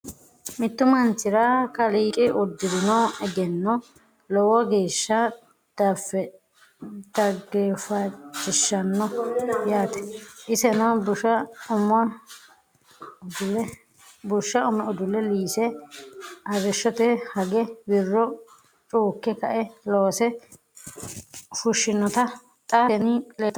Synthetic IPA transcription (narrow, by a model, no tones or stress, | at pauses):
mɪt̪ːʊmɐnt͡ʃɪɾɐkɐliːkʼɪʔʊd̪ːɪd̪ɪnɔɛɡɛnːɔ | lɔwɔɡeːʃːɐ | d̪̥afːɛ | d̪̥ɐɡeːfɐt͡ʃʼːɪʃːɐnːɔjaːt̪ɛ̥ʔɪsɛnɐbʊʊmɐ | ʊd̪ʊlɛ | bʊʃːɐʊmɛʊd̪ʊlɛliːsɛ | ɐrɪʃːɔt̪ɛhɐɡɛbɪrːɔ | t͡ʃʼuːkːɛkɐʔɛloːsɛ | fʊʃːɪnːɔt̪ɐ | t̪ʼɐɛnɪlɛt̪